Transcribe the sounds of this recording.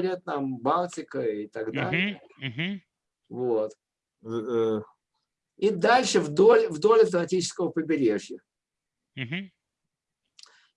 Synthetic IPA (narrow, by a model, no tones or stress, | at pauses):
ɾʲat̪̚nambalˠtʲɪkəit̪ɐɡd̪aɪɪjə | ɦ | vo̞t̪ | id̪alʲʂɨvd̪o̞lʲvd̪o̞lʲɐft̪əmɐtʲit͡ɕɪ̥skəvəpəbʲɪɾʲe̞ʐjə | ɦ̩